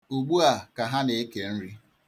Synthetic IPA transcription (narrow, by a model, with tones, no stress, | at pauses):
u˨ɡ͡bu˦a˨ka˨ɦa˦ne˨e˦ke˨n̩˦ɾi˦